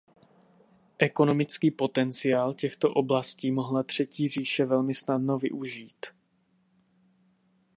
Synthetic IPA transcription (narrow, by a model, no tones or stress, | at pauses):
ʔɛko̞no̞mɪt͡skiːpo̞t̪ɛnt͡sɪaːlcɛxt̪o̞ʔo̞blasciːmo̞ɦlat̪r̝̥ɛciːr̝iːʃɛvɛlmɪsnadno̞vɪ̰ʔuʒiːt̪